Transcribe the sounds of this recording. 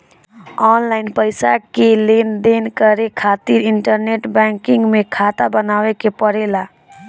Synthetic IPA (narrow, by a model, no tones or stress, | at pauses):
ɔːnlaːɪnpəɪsakeleːnd̪eːnkəɾekʰaːt̪iɾɪ̃ɳʈəɾneːʈbɛ̃ːŋkɪ̃ŋɡmẽkʰaːt̪abənaːwekepəɾeːlaː